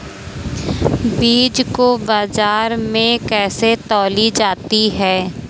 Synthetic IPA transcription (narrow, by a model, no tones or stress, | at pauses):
biːd͡ʒkobaːzaːɾmẽkɛːset̪ɔːlid͡ʒaːt̪iɦɛː